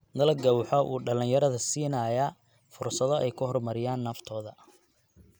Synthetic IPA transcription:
nɐlɐɡɐwħɔʔṵːɖɐlĩnjɐɾɐðɐsiːnɐːjɐ | fʊrsɐðɔʔɛjkʰʊɦɔrmɐɾɪjaːnːɐft̪ʰɔːðɐ

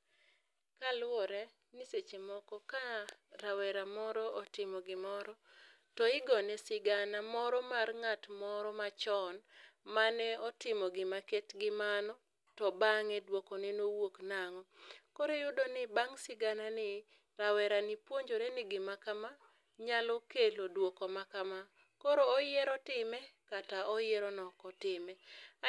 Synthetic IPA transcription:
kalwɔɾɛ | nɪset͡ʃemɔkɔkaɾawɛɾamɔɾɔɔtɪmɔɡɪmɔɾɔ | tɔɪɡɔnɛsɪɡanamɔɾɔmarŋatmɔɾɔmat͡ʃɔnmanɛɔtɪmɔɡɪmaketɡɪmanɔ | tɔbaŋɛdwokɔnɪnowoknaŋɔkoɾejʊdonɪbaŋsɪɡananɪ | ɾawɛɾanɪpwoɲd͡ʒoɾenɪɡɪmakama | ɲalɔkelodwokɔmakama | koɾoːjɛɾɔtɪmɛkataɔjɛɾɔnɔkɔtɪmɛ

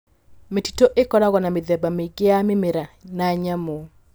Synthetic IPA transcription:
meti̥toʔekɔɾaɣɔnameðɛbameɡeamemeɾanaɲamo

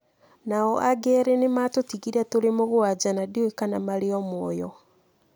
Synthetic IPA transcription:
naɔʔaɡɛɾenematotiɣiɾatoɾemoɣwad͡ʑanadioekanamaɾeɔmwɔjɔ

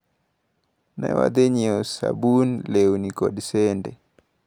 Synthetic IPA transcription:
nɛ̰wa̰d̪eɲiosa̰bunlewnikɔdsɛndɛ

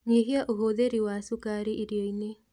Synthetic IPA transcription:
ɲeɦiaʔoɦoðeɾiwasukaɾiʔiɾioine

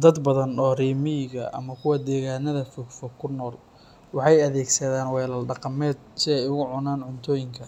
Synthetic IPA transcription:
d̪ɐd̪bɐðɐnɔːriːmɪjɪɣɐʔɐ̰mɐkʰʊwɑd̪ɛːɣaːnɐðɐfɔɡfɔɡkʰːʊnɔːl | wɑħɑjɐðɛːɡsɐðaːnwɛːlɐlɖɑqɑmɛːd̪sɪɛjʊɣʊʕʊnaːnʕʊnt̪ʰɔːjɪŋkʰɐ

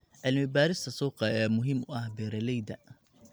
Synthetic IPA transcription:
ʕɪlmɪbaːɾɪst̪ʰɐsuːqɑɛːmʊɦɪmʊɐhbɛɾɐlɛjd̪ɐ

